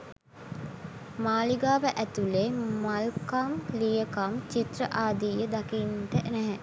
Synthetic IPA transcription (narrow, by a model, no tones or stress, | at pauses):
maːliɡaːʋəʔæt̪ulemalkamlijəkamt͡ʃit̪ɾəʔaːd̪iːjəd̪akinʈənæɦæ